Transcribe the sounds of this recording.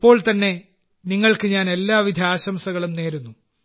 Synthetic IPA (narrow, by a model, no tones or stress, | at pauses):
pːo̞ːɭt̪ɐnːe̞ | niŋːɐɭkɨɲaːne̞lːaːʋid̪ʱjaːɕɐmsɐɣɐɭumne̞ːɾunːu